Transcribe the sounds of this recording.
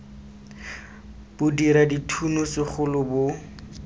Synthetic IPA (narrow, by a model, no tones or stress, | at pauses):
b̥ʊdiɾaditʰunʊsɪχʊlʊbʊ